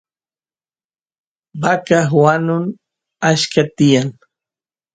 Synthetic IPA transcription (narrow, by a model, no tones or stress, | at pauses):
bakahwanʊn | aʃkat̪ɪjaŋ